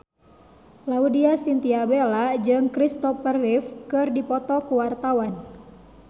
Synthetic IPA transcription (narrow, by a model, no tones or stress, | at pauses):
laudiasint̪iabelad͡ʒɨŋkɾist̪ɔfərifkɨrdipɔt̪ɔkuwart̪awan